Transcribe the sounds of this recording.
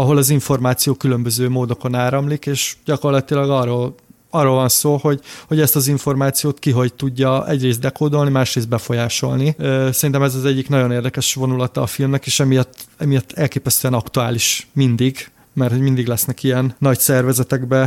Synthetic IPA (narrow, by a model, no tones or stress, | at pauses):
ɒɦo̞lɒziɱfo̞rmaːt̪sijoːkylømbøzøːmoːd̪o̞ko̞naːɾɒmlikeːʃɟ̥ɒko̞rlɒt̪ilɒɡɒroːl | ɒrːoːlvɒnsoːho̞ɟhoɟɛst̪ɒziɱfo̞rmaːt̪sijoːt̪kiɦo̞ɟt̪uɟːɒɛ̰ɟreːs̬t̪d̪ɛkoːd̪o̞lnimaːʃreːs̬t̪bɛfo̞jaːʃo̞̰lnisɛɾint̪ɛmɛzɒzɛɟːiknɒɟo̞neːrd̪ɛkɛʃvo̞nulɒt̪ɒːfilmnɛkeːʃɛmijɒt̪ːɛmijɒt̪ːɛlkeːpɛst̪øɛnɒkt̪uaːliʃmind̪iɡ | mɛrt̪ho̞ɟmind̪iɡlɛsnɛkiɛnːɒɟsɛrvɛzɛt̪ɛɡbɛ